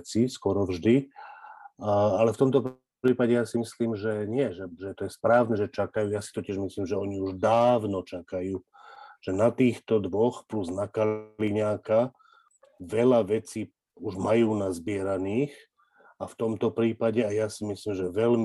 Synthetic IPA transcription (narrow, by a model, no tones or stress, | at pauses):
t͡siskɔɾɔvʒd̪i | aalɛft̪ɔmt̪ɔp | ɾiːpaɟɛjasimisliːmʒɛɲɪɛʒɛʒɛt̪ɔjɛspɾaːʋnɛʒɛt͡ʃakajuːjasi̥t̪ɔcɪɛʒmisliːmʒɛɔɲiuʒd̪aːʋnɔt͡ʃakajuː | ʒ̥ɛnat̪iːxt̪ɔd̪ʋɔxpluznakaliɲaːka | ʋɛʎaʋɛt͡siː | uʒmajuːnazbɪɛɾaniːx | aft̪ɔmt̪ɔpɾiːpaɟɛajasimisliːmʒɛʋɛʎm